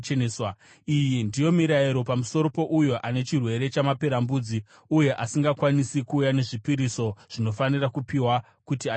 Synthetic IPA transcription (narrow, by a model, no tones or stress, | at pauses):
swa | ijindijo̞miɾaiɾo̞pamuso̞ɾo̞po̞ʔujoʔane̞t͡ʃirwe̞ɾe̞t͡ʃamape̞ɾambud͡zi | uje̞ʔasiŋɡakwanisikuːjane̞ʐipiɾiso̞ʐ̥ino̞fanirakupiwa | kutia